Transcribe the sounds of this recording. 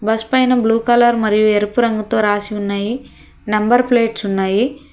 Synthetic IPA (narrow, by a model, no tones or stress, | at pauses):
bɐspɐjnɐbluːkɐlɐɾmɐɾijueɾupuɾɐŋɡɐt̪o̞ːɾaːsiunːaːji | nɐmbɐɾpleːʈsunːaːji